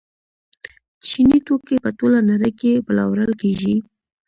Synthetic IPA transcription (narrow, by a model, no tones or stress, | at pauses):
t͡ʃinit̪okepət̪olanaɾəjkebəla̰wɾəlkeʒi